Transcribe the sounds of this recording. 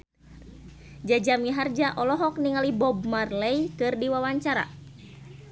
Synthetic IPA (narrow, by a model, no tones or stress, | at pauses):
d͡ʒad͡ʒamiɦard͡ʒaʔɔlɔɦɔk̚niŋalibɔb̚marlɛikɨrdiwawaɲt͡ʃaɾa̰